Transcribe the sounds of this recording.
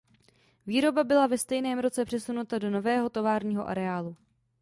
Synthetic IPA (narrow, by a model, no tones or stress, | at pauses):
viːɾo̞babɪlavɛst̪ɛjnɛːmɾo̞t͡sɛpr̥ɛsunut̪ado̞no̞vɛːɦo̞t̪o̞vaːɾɲiːɦo̞ʔa̰ɾɛaːlu